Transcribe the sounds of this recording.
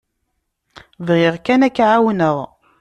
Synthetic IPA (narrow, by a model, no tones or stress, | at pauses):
vʁɪʁkænækːʕawnəʁ